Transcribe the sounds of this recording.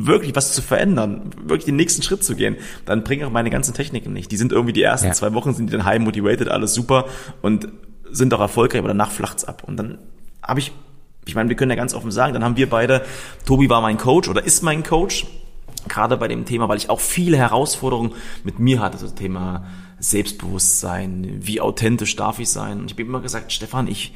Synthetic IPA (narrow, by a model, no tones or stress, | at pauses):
vɪɐklɪçv̥ast͡sufɛɐʔɛ̰ndɐnvɪɐklɪçd̥eːnːɛːçstn̩ʃʁ̥ɪt̚t͡suɡḛːən | d̥anbʁɪŋəaʊxmaɪnəɡa̰nt͡sn̩tʰɛçnɪkŋ̩nɪ̰çtd̥iːzɪntʔɪɐɡŋ̩tv̥iːdiːʔḛːɐstnt͡sv̥aɪvɔχn̩zɪntiːdanɦaɪmːotivɛɪtətʔa̰ləsz̥uːpɐʔʊntz̥ɪntaʊxɛɐfɔlkʁaɪçʔabɐ̰dana̰ːχflʔa̰χtsʔa̰pʰʔʊntd̥anha̰ːbəɪç | ʔɪçmaɪnviːɐkœnjaːɡansʔɔ̰fn̩za̰ːɡŋ̩danhaːbm̩viːɐbaɪɾətʰoːbivaːɐmaɪnkʰoʊt͡ʃʔoːɾɐʔɪstmaɪnkʰoʊt͡ʃ | ɡ̥ʁaːdəbaɪɾḛːmtʰeːmavaɪlɪçaʊxfiːləhɛʁaʊsfɔɐɾəʁʊŋənmɪtmiːɐɦatəzstʰeːmaː | z̥ɛlpst̚b̥əvʊstz̥a̰ɪnviːʔa̰ʊtʰɛntɪʃd̥a̰ɐfɪçz̥a̰ɪnʊntɪçaːbɪiːmɪmɐɡəzaːk̚tʃtɛfanʔɪ̰ç